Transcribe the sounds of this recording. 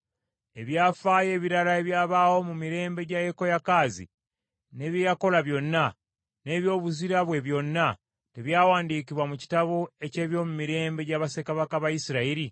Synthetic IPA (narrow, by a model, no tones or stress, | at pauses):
e̞βjaːfaːje̞ːβiɾalae̞βjaːβaːho̞mumiɾe̞ːmbe̞ɟajeko̞jakaːzḭ | ne̞ːβjejako̞laβjo̞nːa | ne̞ːβjo̞ːβuziɾaβwe̞βjo̞nːa | te̞βjaːwaːndiːkiβwamuci̥taβoe̞ce̞ːβjo̞mumiɾe̞ːmbe̞ɟaːβasekaβakaβajisiɾaiɾi